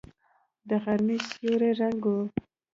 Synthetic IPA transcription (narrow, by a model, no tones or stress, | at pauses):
d̪əɣaɾmisuɾeɾaŋɡo